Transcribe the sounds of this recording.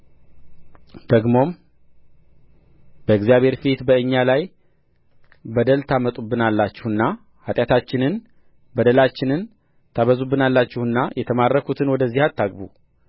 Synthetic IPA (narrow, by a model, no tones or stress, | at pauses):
d̪̥əɡmo̞m | b̥əɪɡzijaβhe̞ɾfit̪bəɨɲːalaj | bəd̪əlt̪ʰamət̪ʼubːɨnalːat͡ʃːɪhɨnːa | hat̪ʼjat̪ʰat͡ʃːɪnɨn | bəd̪əlat͡ʃːɪnɨn | t̪ʰaβəzubːɨnalːat͡ʃːɪhɨnːajʔɛt̪ʰəmarːəkʰut̪ʰɨnwɔd̪əzːihat̪ʰːaɡbu